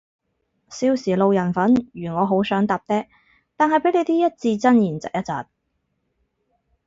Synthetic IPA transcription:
siː˧wsiː˨˩lo˨˧wjɐ˨˩nfɐ˨˥njyː˨˩ŋɔː˨˧ɦo˨˥wsœː˨˥ŋt̪aː˨p̚t̪ɛː˥ | t̪aː˨nɦɐ˨jpe˨˥le˨˧jt̪iː˥jɐ˥t̚t͡siː˧t͡sɐ˥njiː˨˩nt͡sɐ̰˨k̚jɐ˥t̚t͡sa̰ː˨p̚

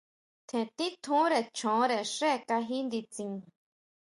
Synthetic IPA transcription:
t̪ʰẽ˨t̪i˦t̪ʰũ˧˦ɾe˧˨t͡ʃʰõ˨˦ɾe˧˨ʂe˦˨˧ka˧ɦi˦nd̪i˧t͡sĩ˧ŋ

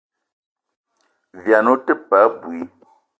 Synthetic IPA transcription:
vja˨no˦tə˦pa˨˦bwi˨˦

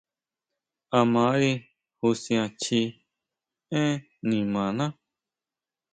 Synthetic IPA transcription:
a˧mã˨˦ɾi˧ | hu˧sĩ˧ã˧t͡ʃi˧ | ẽ˦ | nĩ˨mã˨nã˦

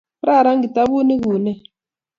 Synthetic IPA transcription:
ɾa˦˨ɾa˦ŋɡi˨ta˦βu˦ni˦ɣuː˨nɛ˦

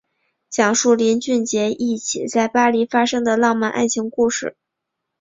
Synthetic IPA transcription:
t͡ɕjɑ˨˩ŋʂu˥˩ljɛ˧˥nt͡ɕy˥˩nt͡ɕjɛ˧˥ʔi˥˩t͡ɕʰi˨˩t͡sa˥˩ɪpa˥li˧˥fa˥ʂɤ˥ŋd̪ə˨lɑ˥˧ŋma˥˧nʔa̰˥˩nt͡ɕʰi˧˥ŋku˥˧ʂɻ̩˥˩

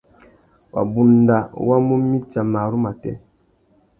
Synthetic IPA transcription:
wa̰˨bu˨n˨da˨wa˦mu˦mːi˦t͡ʃa˨ma˨ɾu˦ma˨tɛ̰˦

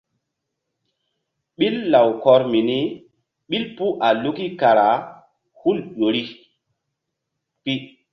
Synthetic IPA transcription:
ɓi˦lːa˨wkɔ˦ɾmi˨ni˦ | ɓi˦lpu˦ʔa˨lu˦ki˦ka˨ɾa˨˦ | hu˦lɗo˨ɾi˦ | pi˦

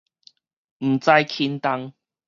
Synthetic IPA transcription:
m̩˨˩t͡sa˧jkʰi˧nt̪a˧ŋ

